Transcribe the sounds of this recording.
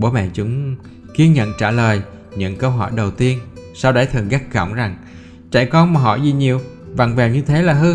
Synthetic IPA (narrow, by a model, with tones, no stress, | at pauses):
ɓo˨˦mɛ̰ː˧˨nt͡ɕʊ˨˦ŋ͡m | ki˧ənɲə̰˧˨nt͡ɕaː˧˩ləː˨˩j | ɲɨ̰˧˥ŋkəː˧wɦɔ̰˧˩jɗə˨˩wt̪i˧ənsa˧wɗə˨˦jt̪ʰɨ˨˩ŋɣa˦˥k̚ɣə̰˧˨wŋ͡mza˨˩ŋ | t͡ɕa̰˧˩˨jkɔ˧nmaː˨˩ɦɔ̰˧˨zi˨˩ɲi˨˩əw | va˨˩ŋvaː˨˩wɲɨ˧t̪ʰe˨˦laː˨˩ɦɨ˧